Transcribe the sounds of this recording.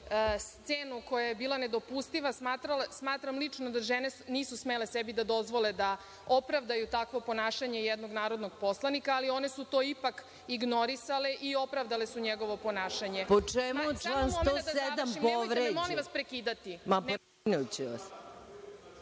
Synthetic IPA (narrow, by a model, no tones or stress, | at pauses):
st̪seːnuko̞jajebiːlˠaned̪o̞pust̪iʋasmaːt̪ɾalasmaːt̪ɾamlit͡ʂnod̪aʒeneniːsusmele̞sɛbid̪ad̪o̞zʋo̞le̞d̪a | o̞pɾavd̪ajut̪akʋo̞po̞naːʃaɲe̞jɛd̪no̞ɡnaːɾo̞d̪noɡ̚po̞slˠanikaːlio̞nesut̪o̞ːipak | iɡnoɾisaleʔio̞pɾavd̪ale̞suɲeɡo̞ʋo̞po̞naːʃaɲe̞pot͡ʃɛmut͡ʃlant̪osɛd̪amimpoʋɾemoniʋaspɾekiːd̪at̪imapn | nut͡ɕeʋa̰s